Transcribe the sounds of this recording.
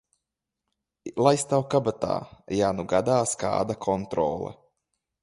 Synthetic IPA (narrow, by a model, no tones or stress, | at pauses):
lˠajst̪awkabat̪a̰ːjanuɡad̪aːska̰ːd̪akʰont̪ɾo̰ːla̰